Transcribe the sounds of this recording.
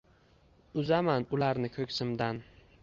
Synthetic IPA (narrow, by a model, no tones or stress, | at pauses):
ʊzamanʊlaɾnɪkʲʰɵkʲsɪmd̪an